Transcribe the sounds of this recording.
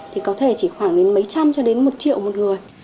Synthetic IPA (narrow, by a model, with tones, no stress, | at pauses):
t̪ʰi˨˩kɔ˨˦t̪ʰe˧˩t͡ɕi˧˩xwaː˧˩ŋɗe˨˦nmə˨˦jt͡ɕa˧mt͡ɕɔ˧ɗe˨˦nmo˨˩t̚t͡ɕḭ˧˨əwmo˨˩t̚ŋɨ˨˩əj